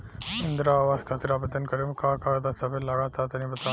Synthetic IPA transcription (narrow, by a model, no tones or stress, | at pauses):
ɪ̃nd̪ɾaːʋaːskʰaːt̪ɪɾaːbət̪ənkɐɾemkaːkaːɾd̪aːsɐbelaːɽaːt̪aːt̪ɐnĩːbɐt̪aː